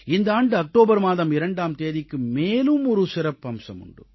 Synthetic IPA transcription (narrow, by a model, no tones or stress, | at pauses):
ɪnd̪ɐaːɳɖɯɐk̚ʈoːbɐɾmaːðɐmɪɾɐɳɖaːmt̪eːðɪkːɯmeːlɯmɔɾɯsɪɾɐpːɐmsɐ̰mʊ̰ɳɖɯ̰